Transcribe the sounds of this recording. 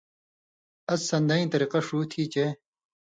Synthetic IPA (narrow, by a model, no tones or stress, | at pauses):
ɐsːɐnd̪ɐĩːt̪ɐɾiqɐʂuːt̪ʰiːt͡ɕe